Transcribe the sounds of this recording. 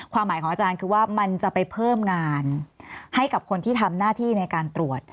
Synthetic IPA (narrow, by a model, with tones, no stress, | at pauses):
kʰwaː˧mːaː˨˩˦jkʰɔː˩˦ʔa˧t͡ɕaː˧nkʰɯː˧waː˥˩ma˧nt͡ɕa˨˩pa˧jpʰɤː˥˩mŋaː˧nha˥˩jka˨˩p̚kʰo˧nt̪ʰiː˥˩t̪ʰa˧mnaː˥˩t̪ʰiː˥˩na˧jkaː˧nt̪ɾu˨˩ət̪̚